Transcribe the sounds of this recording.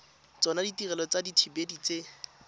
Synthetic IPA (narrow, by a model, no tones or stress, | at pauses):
t͡sɔnaditirɛlɔt͡saditʰibedit͡se